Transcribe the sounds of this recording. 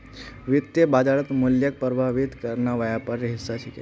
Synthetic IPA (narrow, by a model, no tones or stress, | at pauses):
ʋit̪ːjebad͡ʒaɭət̪muljək̚pɾəbʱaʋit̪kəɾnaʋajapaɾɦisːat͡ʃʰikḛ